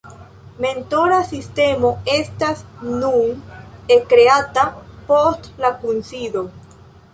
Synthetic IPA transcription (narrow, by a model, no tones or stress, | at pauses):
me̞nto̞ɾasiste̞mo̞e̞stasnunekɾe̞atapo̞stlakunsido̞